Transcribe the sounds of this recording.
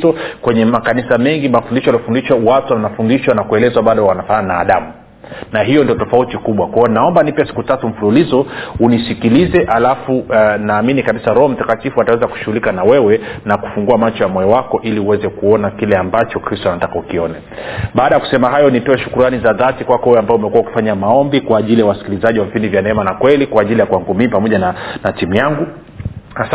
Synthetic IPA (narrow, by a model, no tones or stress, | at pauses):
tɔkwɛɲɛmakanisamɛŋɡimafundiʃɔjaliɔfundiʃawatuanafundiʃwanakuɛlɛzwaɓaɗɔwanafaɲanaːɗamu | naɦijɔndiɔtɔfautikuɓwakwaɔnaɔmbanipɛasi̥kutatum̩fululizɔunisikilizɛʔalafunaːminikaɓisaɾɔhɔm̩takatifuatawɛzaku̥ʃuɣulikanawɛwɛnaku̥fuŋɡuamat͡ʃɔjamɔjɛwakɔʔiliuwɛzɛkuɔnakilɛambat͡ʃɔkɾistɔanatakaukiɔnɛ | ɓaːɗajaku̥sɛmaɦajɔnitɔɛʃu̥kuɾanizaðatikwakɔhujɛambaɔumɛkuwauki̥faɲamaɔmbikwaːʄilijawasi̥kilizaʄiwavipindivjanɛɛmanakwɛlikwaːʄilijakwaŋɡumipamɔʄananatimujaŋɡu | has